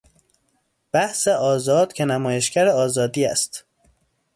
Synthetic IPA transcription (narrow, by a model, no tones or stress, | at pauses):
b̥æhseʔɒːzɒːd̪̥̚cʰe̞næmɒːje̞ʃcæɾeɒːzɒːd̪iːæ̰st̪